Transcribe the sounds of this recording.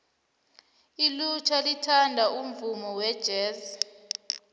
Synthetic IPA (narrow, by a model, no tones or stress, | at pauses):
ilut͡ʃʰalitʰandʱaʔum̩vumɔwɛd̥ʒ̥ʱɛːzi